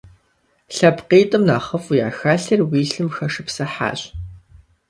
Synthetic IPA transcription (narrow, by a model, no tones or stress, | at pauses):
ɬɐpqeːtʼɨmnaːχɐfuja̰ːxaːɬɐrwiːɬɨmxɐʂɨpsɐħa̰ːɕ